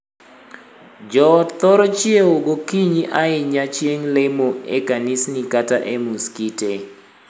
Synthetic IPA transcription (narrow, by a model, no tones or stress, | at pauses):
d͡ʒɔt̪ɔɾɔt͡ʃieoɡokiɲiʔaɪɲat͡ʃjeŋlemoḛkanisnikataʔemuskite